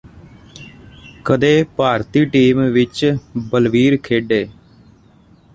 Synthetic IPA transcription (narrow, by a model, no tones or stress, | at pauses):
kəd̪eːpaːɾt̪iːʈiːmʋɪt͡ʃbəlʋiːɾkʰeːɖeː